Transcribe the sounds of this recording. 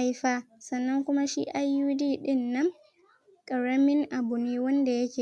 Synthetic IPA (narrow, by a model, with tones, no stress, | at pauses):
a˦jɸaː˦ | sɐ˨nːɐ˦ŋkʷʊ˦ma˦ʃiː˦ʔa˦jːuː˦diː˦ɗɪ˦nːɐ˦ŋ | kʼɐ˨ɽɐ˦mɪ˦ŋʔa˨bʊ˨niː˦wɐ˦nda˨jɐ˦kʲeː˨